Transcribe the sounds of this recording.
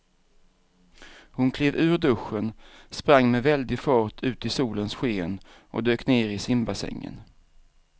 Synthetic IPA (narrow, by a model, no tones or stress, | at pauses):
hʊnkʰleːvʉ̟ːɾɖɵɧːənspɾaŋːmɛvɛld̪ɪfɑːʈʰʉ̟ːt̪ɪsuːlənsɧeːn | ʔɔ̰d̪øːkneːɾɪsɪmbasɛ̰ŋːə̰n